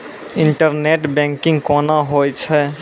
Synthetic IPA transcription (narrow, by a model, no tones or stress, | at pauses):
ɪ̃ɳʈəɾneːʈbɛ̃ːŋkɪ̃ŋɡkɔːnaɦoːjt͡ʃʰɛ